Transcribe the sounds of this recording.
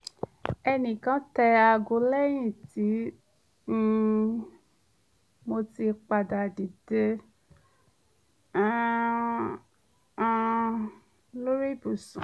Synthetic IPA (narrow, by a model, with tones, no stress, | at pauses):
ɛ˧nĩ˨kã˦tɛ˧a˧ɡo˧lɛ˦j̃ĩ˦˨ti˨˦ | mo˧ti˧k͡pa˧da˨di˨de˧˦ | ã˦˧ | lo˦ɾi˦˨bu˨sũ˨